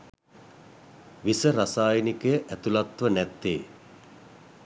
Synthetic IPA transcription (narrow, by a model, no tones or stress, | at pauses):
ʋisəɾasaːjənikəjəʔæt̪ulat̪ʋənæt̪ːeː